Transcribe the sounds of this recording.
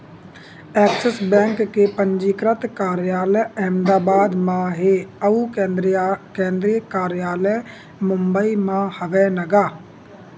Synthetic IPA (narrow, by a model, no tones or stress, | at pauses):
ɛːksəsbɛ̃ːŋkːeːpəɲd͡ʒiːkɾət̪kaːɾjaːləɛːmd̪aːbaːd̪mãːɦeːəuː | kẽːnd̪ɾiəkaːɾjaːlɛː | mʊmbəiːmãːhəʋɛːnəɡaː